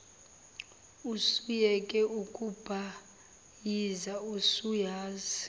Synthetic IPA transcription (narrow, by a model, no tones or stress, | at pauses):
usujɛkʼɛukʼub̥ʱa | jizausujaːzi